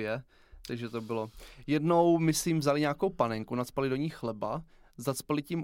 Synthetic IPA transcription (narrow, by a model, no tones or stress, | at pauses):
ɛ | t̪aɡʒɛt̪o̞bɪlojɛdno̞wmɪsɛjɪmvzalɪɲaːko̞wpanɛŋkunat͡spalɪdo̞ɲiːxlɛba | zat͡spalɪcɪm